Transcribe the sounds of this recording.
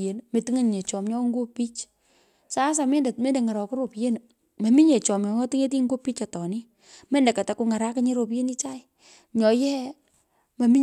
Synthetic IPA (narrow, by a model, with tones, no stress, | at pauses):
e˨nme˨ti˦ŋe˦ɲ˨ɲe˨t͡ʃɔ˨mɲɔ˦ŋɡo˦pi˦t͡ʃ | sa˦s̬a˨me˦nde˨tme˦nde˨ŋa˨ɾɔ˨ko˦ɾo˨pje˦n˨ | ma˨mi˦ɲe˨t͡ʃɔ˨mɲɔ˨ŋɔ˦ti˦ŋe˦t̬i˦ŋɡo˦pi˦t͡ʃa˨tɔ˨ni˦ | me˦nde˨ka˨ta˨ku˧ŋa˨ɾa˦kɪ˦ɲe˦ɾo˨p̬je˦ni˦t͡ʃa˦ɪ˨ | ɲɔ˨jɛ˦ɛ˦ | ma˨mi˦